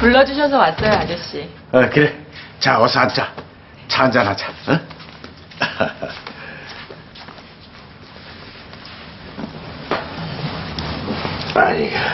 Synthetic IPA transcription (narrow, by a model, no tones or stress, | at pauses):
puɭːʌd͡ʑuɕʰʌsʰʌwas͈ʌjad͡ʑeɕ͈i | ʌkɯɾet͡ɕaʌsʰʌant͡ɕa | t͡ɕand͡ʑanɦad͡ʑaʌ | aɲi